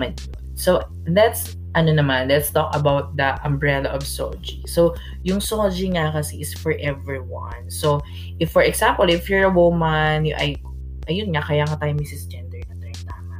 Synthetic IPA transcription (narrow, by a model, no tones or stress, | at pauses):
mɐnjonso | dɐt̪s | ʔɐnonɐmãnlɛt̪st̪ɔkɐbawt̪̚d̪ɐʔɐmbɹɛlɐʔɔvso̰d͡ʒiso | jʊŋsod͡ʒiŋɐkɐsɛʔɪsfɔɹʔɛvɹiwɐ̰̃nsow | ʔɪfːɔɹɛksampɐlɪfjɔɹɐwʊmɐnjʔɐj | ʔɐjʊnŋɐkɐjaŋɐt̪aːjʊmɪsɪsd͡ʒɛnd̪ɛɹnɐt̪ɛnt̪aːŋɐ